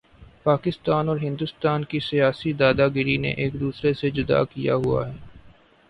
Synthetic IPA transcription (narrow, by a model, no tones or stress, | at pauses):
paːkɪst̪aːnɔːɾɦɪ̃nd̪ʊst̪aːnkisijaːsid̪aːd̪aɡɪɾinḛʔeːkd̪uːsɾesed͡ʒʊd̪a̰kija̰ɦua̰ɦɛː